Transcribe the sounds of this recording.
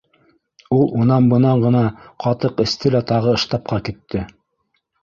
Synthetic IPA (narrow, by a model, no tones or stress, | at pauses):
ulˠunɑmbɤ̆nɑɴɢɤ̆nɑqʰɑt̪ɤqɘ̆st̪ɘlæt̪ɑʁɤɤ̆ʃt̪ɑp̚qɑkit̪ːɘ